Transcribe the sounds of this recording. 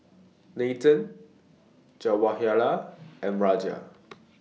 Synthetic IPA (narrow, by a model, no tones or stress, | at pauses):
netə̃n | d͡ʒawahjalaɛ̃nɹad͡ʒia̰